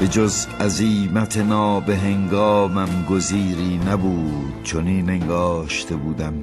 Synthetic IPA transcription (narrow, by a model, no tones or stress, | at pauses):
be̞d͡ʒozæziːmæt̪ʰenɒːbe̞ɦeŋɡɒːmæmɡoziːɾiːnæbuːd̪̥̚t͡ʃʰoniːneŋɡɒːʃt̪ʰe̞buːd̪æm